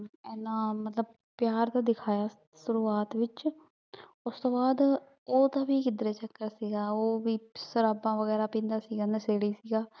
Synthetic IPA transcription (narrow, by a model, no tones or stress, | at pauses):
ɛːnãːmət̪ləb̚ | pjaːɾt̪aːd̪ɪkʰaːjaː | sʊɾuːaːt̪ʋɪt͡ʃ | ʊst̪õːbaːd̪ | oːt̪aːbiːkɪd̪ɾeːt͡ʃəkːəɾsiːɡaːoːʋiːsʊɾaːbãːʋəɡɛːɾaːpĩːnd̪aːsiːɡaːnəseːɽiːsiːɡaː